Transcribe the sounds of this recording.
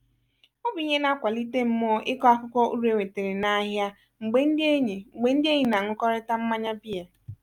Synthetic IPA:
ɔ˦bi˨i˨˦ɲe˦na˦kʷa˨li˦te˦m̩˦mɔ˦ʔɪ˦kɔ˦a˦kʊ˦kʷɔ˦ʔu˦ɾe˨ŋʷe˨te˨ɾe˨na˦ɦja˦ | ŋ͡m̩˨ɡ͡be˦n̩˦dɪ˦e˦ɲe˨ŋ͡mŋ͡m̩˨ɡ͡be˨˦n̩˦dɪ˦e˦ɲi˨na˨ŋʊ˦kɔ˦ɾe˦ta˦m̩˦ma˦ɲa˦bi˦e˨

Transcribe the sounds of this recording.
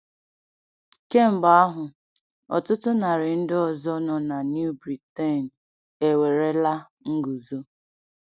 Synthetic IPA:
ke˦m̩˨ba˨a˦ɦʊ˨ | ɔ̰˨tʊ˦tʊ˦na˨ɾɪ˨n̩˦dɪ˦ɔ˨zɔ˦nɔ˨na˨nju˦bɾi˨te˦˨n̩˨ | e˨we˨ɾe˦la˦ | ŋ̩˦ɡu˨zo˦

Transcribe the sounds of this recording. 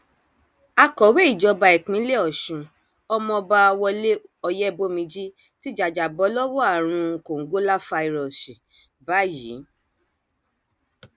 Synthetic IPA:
a˧kɔ˨we˦i˦˨d͡ʒɔ˧˦ba˧ɛ˨k͡pĩ˨˦le˦ɔ˦˨ʃũ˨ | ɔ˧mɔ̃˧ba˧wɔ˧le˦ɔ˧jɛ˦bo˦mĩ˧d͡ʒi˦ | ti˦d͡ʒa˨d͡ʒa˨bɔ˨˦lɔ˦wɔ˦a˦˨ɾ̃ũ˧˨ko˨ŋ̩˨˦ɡo˦la˦fa˧i˨ɾɔ˨si˨ | ba˨˦jḭ˨˦

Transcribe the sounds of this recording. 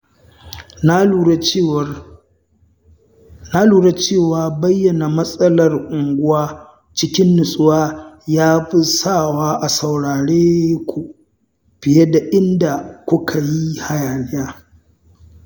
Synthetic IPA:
na˦luː˨ɽe˦t͡ʃeː˦˨waː˨bɐ˦jːɐ˨na˨mɐ˦sʼɐ˦lɐ˨rʔʊ˨ŋɡʷʊ˦waː˦ | t͡ʃɪ˦kʲɪ˦nːʊ˨sʼʊ˦waː˦jaː˦ɸɪ˦sa˦˨waː˦ʔa˨sa˨wɽaː˨ɽeː˦kʷu˨ | ɸɪ˨je˦da˨ʔɪ˦nda˨kʷʊ˦kʰa˨ji˦ha˨jaː˨lɪ˦jaː˦

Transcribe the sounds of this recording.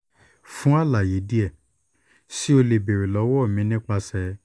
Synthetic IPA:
fũ˦a˦˨la˨ji˨˦di˦ɛ˦˨ | si˦o˧le˨be˨ɾe˨lɔ˨˧˦wɔ˦˨mĩ˧˦nĩ˦k͡pa˧sɛ˧

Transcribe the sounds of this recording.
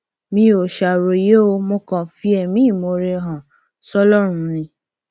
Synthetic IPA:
mĩ˧o˨ʃa˨ɾo˨˧˨je˨˦o˧mõ˧kã˨fi˦ɛ˨mĩ˦˨mo˨˧ɾe˧ɦã˨ | sɔ˦lɔ˦ɾ̃ũ˧˦nĩ˧˦

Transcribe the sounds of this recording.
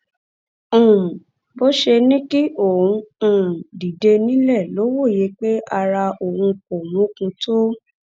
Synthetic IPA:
bo˦ʃe˧nĩ˦ki˦ʔõ˨ũ˧˨di˨de˧nĩ˦lɛ˦˨lo˨˦wo˦˨je˨˦k͡pe˦ʔa˧ɾa˧ʔo˨hũ˧ko˨mũ˨˦kũ˧to˦

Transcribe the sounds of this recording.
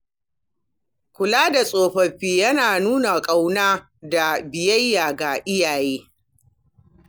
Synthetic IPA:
kʷʊ˨laː˦da˨sʼoː˨ɸɐ˨ɸiː˦jɐ˦naː˨nuː˦na˨kʼa˦wnaː˦ | da˨bɪ˨jɐ˦jːaː˨ɡa˨ʔɪ˦jaː˨jeː˦

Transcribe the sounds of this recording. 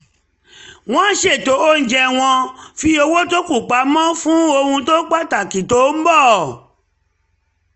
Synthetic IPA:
w̃ɔ̃˦ʃe˦˨to˨˦o˦n̩˨d͡ʒɛ˧w̃ɔ̃˧fi˧o˧wo˦to˦ku˦˨k͡pa˨˦mɔ̃˦fũ˦o˧hũ˧to˦k͡pa˦˨ta˨ki˨to˨˦m̩˦bɔ˦˨

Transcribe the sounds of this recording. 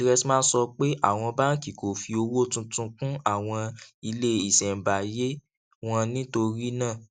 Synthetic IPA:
ɾɛ˧ti˦mãː˦sɔ˧k͡pe˦ʔa̰˦˨w̃ɔ̃˧ba˦n̩˦ki˨ko˨fi˧o˧wo˦tũ˧tũ˧kũ˦a˦˨w̃ɔ̃˧i˧le˦i˦˨sɛ˨m̩˨ba˨je˦ | w̃ɔ̃˦˧nĩ˦to˧ɾi˦nãː˦˨

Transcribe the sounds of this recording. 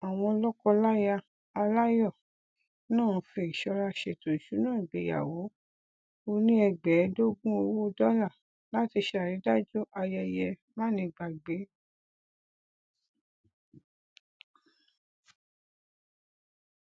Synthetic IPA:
a˨w̃ɔ̃˧lɔ˦kɔ˧la˦ja˧ | a˧la˦jɔ˦˨ | nãː˦˨ũ˧fe˧i˨ʃɔ˧ɾa˧ʃɛ˨to˨ʃu˨˦nãː˦˨i˨ɡ͡be˨ja̰˨wo˨˦ | o˧nĩ˦ɛ˧ɡ͡bɛ˨˦do˦ɡũ˦o˧wo˦o˦˧dɔ˦la˦˨ | la˦ti˧ʃa˨ɾi˨˦da˦d͡ʒo˦ʔa˧ja˧jɛ˧mã˦˨nĩ˧ɡ͡ba˨ɡ͡be˨˦

